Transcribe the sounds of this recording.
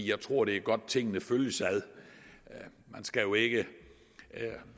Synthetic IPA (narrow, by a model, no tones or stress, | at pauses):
jɑ̈ɪt͡sʰʁo̝ɐ̰ɾ̥e̝æɐɡ̥ɒ̽d̥̚t͡sʰe̝ŋ̰nəføljəsæðˠ | mænsɡ̥æjo̝e̝ɡ̥ə